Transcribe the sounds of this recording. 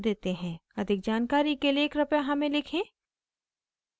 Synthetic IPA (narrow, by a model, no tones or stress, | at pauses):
d̪eːt̪eɦɛ̃ːɐd̪ʱɪk̚d͡ʒaːnkaːɾikelieːkɾɐpjaɦɐmẽlɪkʰẽː